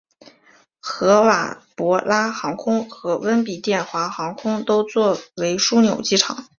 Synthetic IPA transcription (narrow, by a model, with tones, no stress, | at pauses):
xɤ˧˥wa̰˨˩pwɔ˧˥la˥xɑ˧˥ŋkʰʊ˥ŋxɤ˧˥wə˥npi˨˩t̪jɛ˥˩nxwa˧˥xɑ˧˥ŋkʰʊ˥ŋt̪o˥ʊt͡swɔ˥˩we˧˥ɪʂu˥njo̰˨˩ʊt͡ɕi˥˩ʈ͡ʂʰɑ̰˨˩˦ŋ